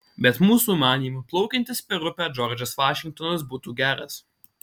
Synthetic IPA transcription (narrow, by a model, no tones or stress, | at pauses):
bʲɛt̪muːsuːmɑːnʲiːmuplˠɔʊkʲɛnʲt̪ʲɪspʲɛɾʊpʲæːd͡ʒɔɾʲd͡ʒʲɐsʋɑːʃʲɪŋkt̪ɔnɐsbuːt̪uːɡʲæːɾɐs